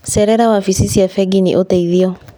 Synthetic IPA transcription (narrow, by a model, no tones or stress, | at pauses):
sɛɾɛɾawafisisiafɛɡinḭʔotɛiðiɔ